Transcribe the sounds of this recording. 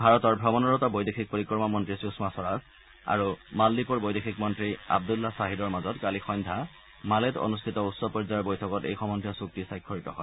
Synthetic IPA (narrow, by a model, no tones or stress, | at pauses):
bʱaɹɔtɔɹbʱɔbɔnɔɹɔtabojdexʰik̚poɹikɹɔɹmɔmɔntɹisusmasɔɹas | a̰ɹumalːipɔɹbojdexʰikmɔntɹia̰b̚dulːasaɦidɔɹmazɔtkalixɔjndʱa | malɛto̰nustʰitɔusɔpɔɹzaɹbojtʰɔkɔtḛjxɔmɔndʰʱɔsuk̚tisajkʰːɔɹitɔɦɔ̰j